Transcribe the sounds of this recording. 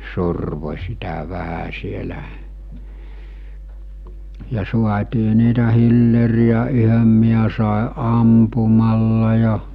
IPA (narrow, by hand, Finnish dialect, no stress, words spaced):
surʋo̟ sitæ ʋæhæ sielæ jɑ suɑtiː niːtæ hilːeriæ yhøm miæ sɑˑe ʔɑmpumɑlːɑ jɑ